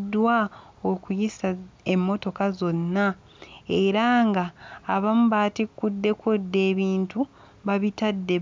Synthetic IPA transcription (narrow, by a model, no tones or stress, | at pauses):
dwa | o̞kujisaemːo̞to̞kazo̞nːa | e̞ɾaŋɡaːβamuβaːtikːudːe̞kodːe̞ːβiːntu | βaβitadːe